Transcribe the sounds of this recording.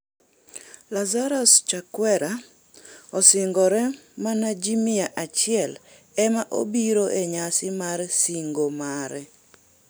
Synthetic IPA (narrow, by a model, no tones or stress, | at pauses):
lazaɾɔst͡ʃakwɛɾa | ɔsɪŋɡɔɾɛmanad͡ʒimɪaʔat͡ʃɪɛl | ɛmaʔo̰biɾoʔeɲasɪmarsiŋɡomaɾɛ